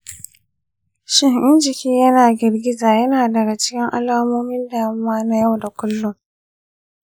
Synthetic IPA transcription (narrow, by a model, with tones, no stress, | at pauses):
ʃɪ˦ŋʔɪ˦nd͡ʒɪ˨kʲiː˦jɐ˦naː˨ɡʲɪ˨rɡʲɪ˦zaː˨jɐ˦naː˨dɐ˨ɡa˨t͡ʃɪ̥˦kʲɪ˦ŋʔa̰˦laː˦moː˦mɪ˦nda˨ɐ˦mːaː˦na˦ja˦˨wda˨kʷʊ˦lːʊ˦ŋ